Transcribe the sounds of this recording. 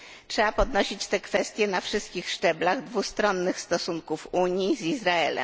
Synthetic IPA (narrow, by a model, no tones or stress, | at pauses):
tʂɛbapɔd̪nɔɕit͡ɕt̪ɛkfɛst̪ʲjɛnafʂɘst̪̚kʲixʂt͡ʂɛblaɣd̪vust̪ɾɔnːɘxst̪ɔsuŋkufuɲjizizɾaɛlɛ̰m